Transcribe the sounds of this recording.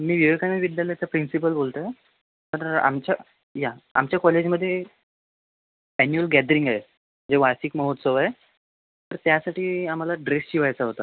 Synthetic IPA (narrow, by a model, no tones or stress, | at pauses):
miːʋiʋekaniʋid̪jaljat͡səpɾinsip̬əlbolt̪ə | t̪əɾa̰mt͡ɕa | jaa̰mt͡ɕjakɔled͡ʑməd̪ʱːje | ænjuəlɡɛd̪əɾiŋɡaɦe | əd͡zeʋasikməɦot̪səʋaɦe | t̪əɾt̪jasaʈʰiːam̤alaɖɾesɕiʋajt͡saɦot̪a